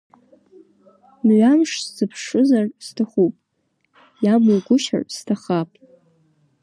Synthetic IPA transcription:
mɥʷamʂszɨpʰʂɨzarstʰɨχupʼ | jamuɡʷʊʃa̰ʕʼstʰaχapʼ

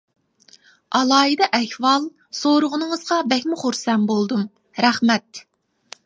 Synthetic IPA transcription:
ɑlˠɑːjid̪ɛʔɛhwɑlˠ | soɾʊʁʊnɨŋəz̥ʁɑbɛhʲmʊχoɾsɛnbolˠd̪um | ɾæχmɛt̪̚

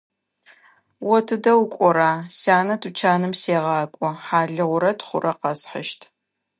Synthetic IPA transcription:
wɔtʰɨdɐwkʷʼɔɾaːsaːnɐtʰut͡ʃʰaːnɨmseːʁɑːkʷʼɔħaːɮɨʁʷʊɾɐtʰχʷʊ̰rʔɐqɐsħə̰ʃtʰ

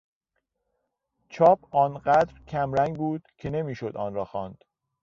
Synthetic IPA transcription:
t͡ʃʰɒːbʰɒːnɢæd̪ɾcʰæmɾæŋɡbuːd̪̥cʰene̞miːʃod̪ɒːnɾɒːxɒːnd̪̥

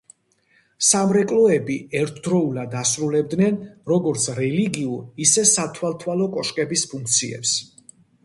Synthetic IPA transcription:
samɾɛkʼlɔɛbiɛɾt̪ʰd̪ɾɔulad̪asɾulɛb̚d̪nɛnɾɔɡɔɾt̪sʰɾɛliɡiuɾisɛsat̪ʰwalˠt̪ʰwalɔkʼɔʃkʼɛbispʰuŋkʰt̪sʰiɛ̰ps

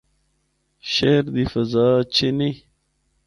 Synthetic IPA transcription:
ɕeɾd̪ifɐzaːt͡ɕʰeni

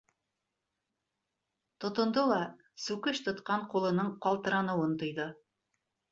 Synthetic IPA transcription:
t̪ŏt̪ŏnd̪olˠɑ | sʉkɘʃt̪ŏt̪qɑɴqulˠɤ̆nɤɴqɑlˠt̪ɤ̆ɾɑnɤ̆wɤnt̪ɤ̆jðɤ

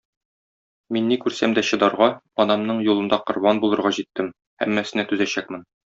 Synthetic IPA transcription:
minːikʉɾsæmd̪æɕɤ̆d̪ɑɾʁɑ | ɒnɑmnɤɴjulˠɤ̆nd̪ɑqŏɾbɑnbulˠɤ̆ɾʁɑʑit̪ːɘm | hæ̰mːæsɘ̆næt̪ʉzæɕæk̚mɘn

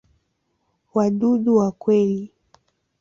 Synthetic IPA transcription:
waɗuɗuwakwɛli

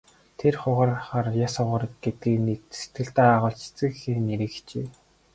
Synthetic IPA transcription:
t̪ʰerχʊʁaːrχaːrjasʊʁə̆ːɾə̆t̪̚ɡet̪̚ɡiːknit̪se̥t̪ɡɘ̆ɬt̪æːaʁʊːɮt͡ɕʰt͡sɘ̆kxiːneɾɘ̆xt͡ɕeː

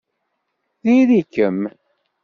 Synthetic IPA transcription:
ðiðikəm

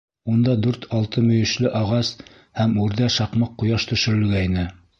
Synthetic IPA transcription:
und̪ɑd̪ʉɾt̪ʰɑlˠt̪ɤmɵ̆jɵ̆ʃlɘʔɑʁɑs | hæmʉɾðæʃɑqmɤqːujɑʃt̪ɵ̆ʃɵ̆ɾɘ̆lɡæinɘ

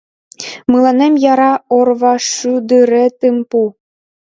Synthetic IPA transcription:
mɯlˠɑnemjɑɾɑorβɑʂyd̪ɯɾɘ̆t̪ɯmpu

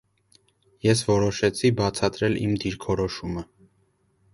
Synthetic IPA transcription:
jɛsvɔɾɔʃɛt͡sʰibɑt͡sʰɑt̪ɾɛlḭmd̪iɾkʰɔɾɔʃumə

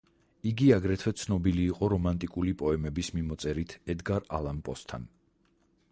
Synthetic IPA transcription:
iɡiaɡɾɛt̪ʰwɛt̪sʰnɔbiliːqʼɔɾɔmant̪ʼikʼulipʼɔɛmɛbismimɔt̪sʼɛɾit̪ʰɛd̪ɡaɾa̰lˠampʼɔst̪ʰa̰n

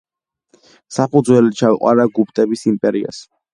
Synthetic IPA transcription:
sapʰud̪zwɛlit͡ʃʰawiqʼwa̰ɾaɡup̚ʰt̪ʼɛbisimpʼɛɾia̰s

